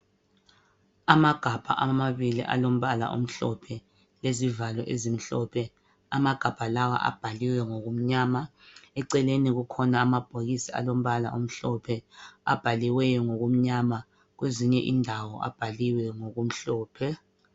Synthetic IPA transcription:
amaɡ̥ʱab̥ʱa̰ʔamaβilḭʔa̰lom̩βala̰ʔṵm̩ɬɔpʰɛ | lezivalɛʔezim̩ɬɔpʰɛ | amaɡ̥ʱab̥ʱalawa̰ʔa̰b̥ʱaliwɛŋoɣum̩ɲaːmaɛǀɛleniɣukʰɔnaːmab̥ʱoɣisia̰lom̩βala̰ʔum̩ɬɔpʰɛa̰b̥ʱaliwɛjɔŋoɣum̩ɲama | ɣweziɲɛʔindʱawɔʔa̰b̥ʱaliwɛŋoɣum̩ɬɔːpʰɛ

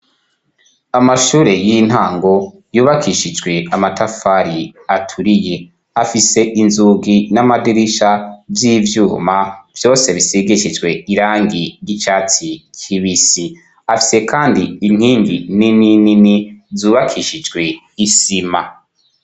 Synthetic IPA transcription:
amaʃuːɾe̞jin̥haːŋɡo̞ | juːβakʰiʃid͡ʒɡwe̞amatafaɾiatʰuɾije | afise̞ʔinzuːɡinamadiɾiʃavjiːvjuːmav̥jo̞ːse̞βisiɡeʃid͡ʒɡwe̞iɾaːŋɡiɾjit͡ʃaːt͡sikʰiβisi | afi̥se̞kʰaːndiin̥hiːŋɡḭninininizuːβakʰiʃid͡ʒɡwe̞ | isima

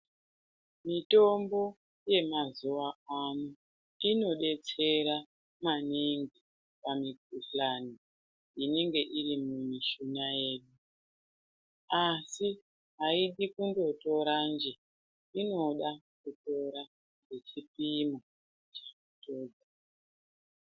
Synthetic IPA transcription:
mito̞mbo̞ | je̞mazuwaano | ino̞ɗe̞t͡se̞ɾa | maniŋɡi | pamiɡ̚uɬlani | ine̞ŋɡe̞ʔirimumiʃunaje̞ːɗu | asi | ɦaiɗikundo̞to̞ɾand͡ʒe̞ | ino̞ɗakuto̞ɾa | ɡe̞t͡ʃipimo | t͡ʃakuto̞ːd͡za

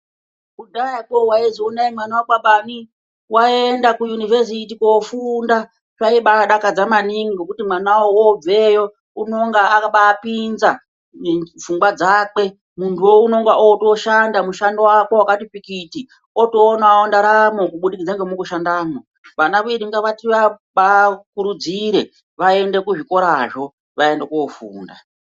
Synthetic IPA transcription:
kudajakowaiziunaimanawaɓaɓani | waendakujunives̬itikofunda | t͡ʃaiɓaaɗakad͡zamaniŋiɡokutimwanawoob͡vejo̞ | uno̞ŋɡaakaɓaːpinza | vuŋɡwad͡zak͡pe̞ | muntʰuwouno̞ŋɡaʔoto̞ʃandamuʃandowako̞wakatipikiti | otoːnaondaɾamokuɓuɗikid͡zaŋɡemukuʃandaːmo | ʋanaʋiɾiŋɡaʋatiʋaɓakuɾud͡ziɾe̞ | ʋae̞nde̞kuʐiko̞ɾaʐo̞ | ʋae̞ndekofṵːnda̰

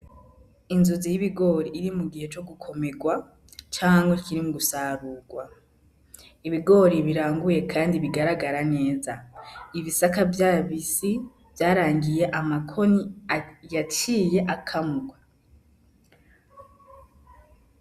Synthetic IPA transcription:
inzuzijiβiɡo̞ːɾiːɾimuɡihe̞t͡ʃo̞ɡukʰo̞me̞ɡwa | t͡ʃaːŋaŋɡwekiɾimuɡusaːɾuːɡwa | iβiɡo̞ːɾiβiɾaːŋɡuje̞kʰaːndiβiɡaɾaɡaɾane̞ːzaiβisakavjaːβisi | vjaːɾaːŋɡije̞ʔamakʰo̞nijat͡ʃiːje̞ʔakʰamuɡwa

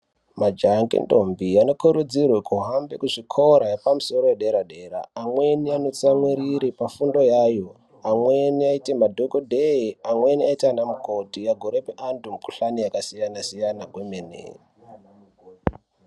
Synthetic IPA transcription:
mad͡ʒaŋɡḛndombiano̞kuɾud͡zirwekuɦambekuʐikʰoɾajepamuso̞ɾojeɗe̞ɾaɗe̞ɾa̰ːmwe̞niano̞t͡samwiɾiɾipafundo̞jaːjo̞ | amweniaite̞madʱokodʱeiamwe̞niaitanamukotijaɡʱoɾe̞peʔantumuku̥ɬanijakasijanasijanakwemenḛːri

